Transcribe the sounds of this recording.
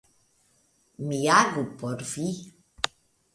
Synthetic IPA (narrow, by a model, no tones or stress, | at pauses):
mijaɡupɔɾfi